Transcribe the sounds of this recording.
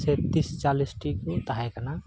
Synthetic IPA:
set̪ist͡ʃalisʈikut̪aɦajkana

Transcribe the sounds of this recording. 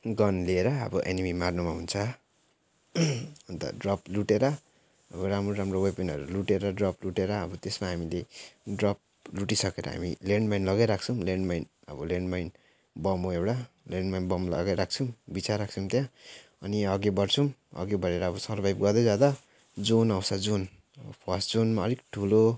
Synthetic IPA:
ɡʌnlieɾʌʌ̰bʌʔenimimarnumaɦunt͡sʰʌ | ʌnt̪ʌ̰ɖrʌpluʈeɾʌ | ʌbʌɾamroɾamrowepenʌ̰ɾuluʈeɾʌɖrʌpluʈeɾʌːbʌt̪esmaɦamileɖrʌp̚luʈisʌkeɾʌ̰ɦa̰mḭleɳɖmajnlʌɡajɾak̚ʰt͡sʰʌ̃leɳɖmajn | ʌ̰bʌleɳɖmajn | bʌmoewɽa | leɳɖmajnbʌmlʌ̰ɡajɾak̚ʰt͡sʰʌmbit͡sarak̚t͡sʰʌmt̪jã | ʌniʌɡebʌrt͡sʰumʌ̰ɡebʌɾeɾʌːbʌsʌɾbʱajb̚ɡʌd̪ʌjd͡zad̪a | d͡zonawsad͡zon | ʌbʌpʰʌsd͡zonmaʌɾikʈʰulo

